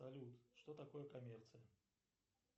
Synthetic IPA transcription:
ɐlʲut̪ʂt̪ot̪ɐkojəkɐmʲert̪sɨjə

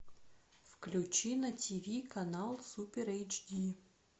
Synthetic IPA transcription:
fklʲut͡ɕinɐtʲivʲikɐnalˠsupʲeɾɛjt͡ʃd̪ʲi

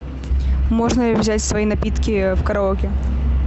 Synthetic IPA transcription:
moʐnəlʲɪvzʲætʲsvɐinɐpʲit̪kʲɪfkɐɾɐokʲɪ

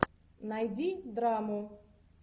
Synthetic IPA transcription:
najdʲid̪ɾamʊ

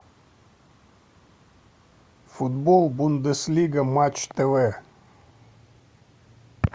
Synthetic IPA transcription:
fud̪bolˠbund̪əslʲiɡəmat͡ʃt̪eve

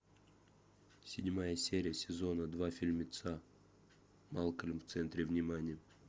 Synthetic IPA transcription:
sʲɪdʲmajəsʲeɾʲɪjəsʲɪzo̞nəd̪vafʲilʲmʲɪt̪sa | malˠkəlʲmft̪sɛnt̪ɾʲɪvnʲɪmanʲɪjə

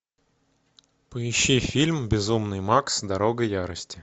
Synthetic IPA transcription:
pəɪɕːifʲilʲmbʲɪzumnɨjmaksd̪ɐɾoɡəjaɾəsʲtʲɪ

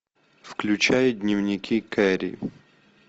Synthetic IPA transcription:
fklʲʉt͡ɕajʊdʲnʲɪvnʲɪkʲʰikɛɾʲḭ

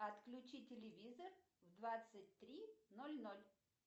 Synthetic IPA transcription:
ɐt̪klʲʉt͡ɕitʲɪlʲɪvʲizər | vd̪vat̪sɨt̚ʲt̪ɾʲinolʲnolʲ

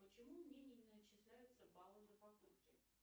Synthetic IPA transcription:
pət͡ɕɪmumnʲenʲɪnət͡ɕːɪslʲæjʊt̪səbalˠɨzəpɐkupkʲɪ

